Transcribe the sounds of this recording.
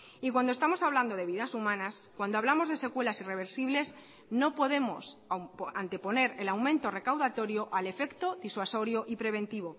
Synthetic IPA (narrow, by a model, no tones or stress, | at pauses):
ikwand̪oe̞st̪amo̞saβland̪o̞ðe̞β̞iðasumãnaskwand̪oaβlamo̞zðe̞se̞kwe̞lasire̞β̞e̞ɾsiβ̞le̞s | no̞po̞ðe̞mo̞̰spant̪e̞po̞ne̞ɾe̞lawmẽnt̪o̞re̞kawðat̪o̞ɾjo̞ʔale̞fe̞kt̪o̞ðiswaso̞ɾjo̞ʔipɾe̞β̞ẽ̞nt̪iβ̞o